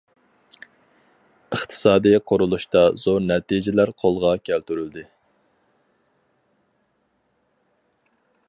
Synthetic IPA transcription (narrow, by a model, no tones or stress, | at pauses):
əχt̪ʰɨ̥sɑːd̪ijɛqʰoɾulˠuʃt̪ɑz̥oɾnɛt̪id͡ʒɪlæɾqʰolˠʁɑkʲʰælt̪yɾyld̪ɪ